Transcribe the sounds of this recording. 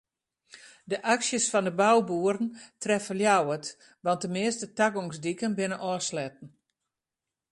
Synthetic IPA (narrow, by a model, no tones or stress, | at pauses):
dəʔaksjəsfɔndəbawbuəɾəntrɛfəljawət | ʋɑnt̚dəmɪəstətaɡoŋsdikənbɪnəʔɔːslɛt̚n̩